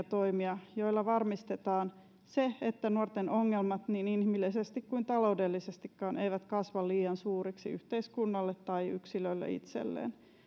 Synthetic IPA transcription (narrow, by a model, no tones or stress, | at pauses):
t̪oimiɑjo̞ilːɑʋɑrmist̪et̪ɑːn | seet̪ːænuort̪enʔoŋːelmɑt̪niːninhimilːisest̪ikkuint̪ɑlo̞udelːisest̪ikːɑːnʔeiʋæt̪kɑsʋɑlliːɑnsuːriksḭy̰ht̪eiskunːɑlːet̪tɑiyksilølːḛḭt̪sḛlːḛːn